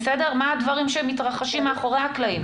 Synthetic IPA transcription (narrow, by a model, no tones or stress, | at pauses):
sede̞ʁmaadvaʁimʃemit̪ʁaχaʃimːeaχo̞ʁejhaklaim